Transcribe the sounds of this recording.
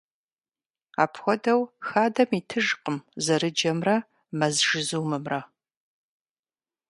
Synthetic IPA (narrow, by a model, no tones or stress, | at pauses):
a̰ːpʰxʷɔdɐwxaːdɐmitʰɨʒqəmzɐɾɨd͡ʒɐmrɐ | mɐzʒɨzuːmɨmrɐ